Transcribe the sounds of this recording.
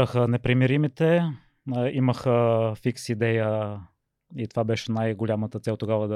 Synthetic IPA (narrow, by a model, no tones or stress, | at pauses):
əxənɛpɾimiɾimit̪ɛ | iməxəfiksid̪ɛjə | it̪ovabɛʃɛnajɡʊlʲamət̪ət̪sɛlˠt̪oɡavəd̪